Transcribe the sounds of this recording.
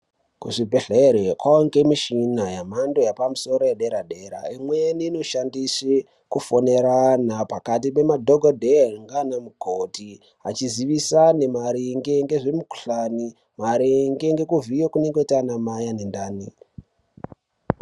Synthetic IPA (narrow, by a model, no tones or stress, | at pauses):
kuʐibʱeɬeɾekwaoŋɡemiʃinajam̤ando̞japamuso̞ɾo̞jeɗe̞ɾaɗe̞ɾa̰imweniːno̞ʃandise | kufo̞ne̞ɾanapakat̬ipe̞madʱoɡʱodʱeaŋɡanamukʰoti | a̰t͡ʃiziʋisane̞maɾiŋɡe̞ŋɡe̞ʐemuku̥ɬani | maɾiŋɡe̞ŋɡe̞kuvijokune̞ŋɡetanamajanendaːni